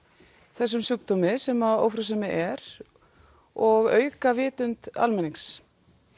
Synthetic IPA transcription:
θɛsːʏmsʏk̚t̪ɔmɪsɛmao̰wfɾawsɛmɪʔɛɾ | ɔɣœːɥkavɪːt̪ʏnt̪a̰lmɛniŋks

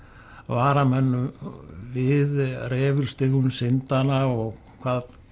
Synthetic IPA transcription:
vaːɾamɛnːʏmvɪðrɛːvʏɾ̥st̪ɪhunːsɪnt̪anaɔɣ | kʰvaːð

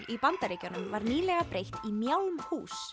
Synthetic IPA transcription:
ipant̪aɾeːjcanʏmvaɾniːlɛɣapɾejht̪imjawlmhṵːs

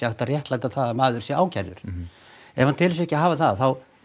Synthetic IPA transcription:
aht̪arjɛht̪laːjt̪aθaːðamaːðʏɾsjɛaːwcʰaɾðʏ̰ɾ̥ | ɛɾvhant̪ʰɪls̬ɛhcɪɦaːvaθaðaθaw

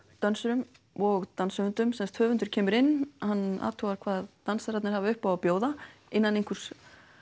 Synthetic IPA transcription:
t̪œnsʏɾʏm | ɔɣt̪ansʏvʏnt̪ʏmsɛmst̪hœːvʏnt̪ʏ̥ɾ̥cʰɛːmʏɾɪnːhanːa̰ːt̪ʰowvaɾ̥kʰv̥aːðt̪ansaɾat̪nɪɾ̥havaʏhpawapjoːwðaɪnːanejŋkʰʏɾ̥s

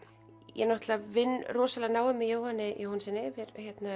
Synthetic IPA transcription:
jɛ̰nɔht̪lavɪnːrɔːsalanaːwʏmːɪjoːwhanːɪjowhansɪnːɪvɪɾhçjɛt̪na

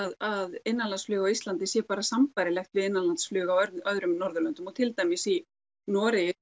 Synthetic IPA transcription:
aðɪnːanlansflʏːɣawist̪lant̪ɪsjɛpaːɾasamfajɾɪlɛxt̪vɪðɪnːanlant̪sflʏːɣawœœðɾʏmnɔɾðʏlʏnt̪ʏmɔt̪ʰɪlt̪ajmɪsi | nɔːɾɪ

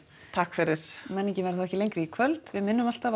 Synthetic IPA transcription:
t̪ʰaːkfɪɾɪɾ̥mɛnːɪcɪmɛːɾaθawɛcɪlejŋkɾiikʰvœlt̪vɪðmɪnːʏmal̥t̪av

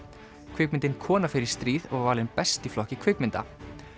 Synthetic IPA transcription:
kʰvɪk̚mɪnt̪ɪnkʰɔːnafɪɾɪɾ̥st̪ɾiːðɔɣvaːɾlɪnpɛst̪iflɔhcɪkʰvɪkmɪnt̪a̰

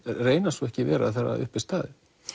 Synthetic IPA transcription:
reːjnasɔɛhcɪvɛ̰ːɾa̰ðθaɾa̰ʏhpɪst̪aːðɪ

